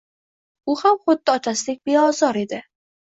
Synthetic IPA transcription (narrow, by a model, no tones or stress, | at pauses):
ʊhamχʊd̪ːɪɒt̪ʰasɪlɪk̚ʲbeɒzɒɾe̞d̪ɪ